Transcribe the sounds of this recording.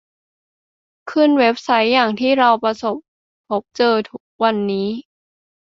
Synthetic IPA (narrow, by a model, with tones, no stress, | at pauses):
kʰɯ˥˩nwe˦˥p̚sa˦˥jːaː˨˩ŋt̪ʰiː˥˩ɾa˧wpɾa˧so˨˩p̚ | pʰːo˦˥p̚t͡ɕɤː˧t̪ʰu˦˥k̚wa˧nːiː˦˥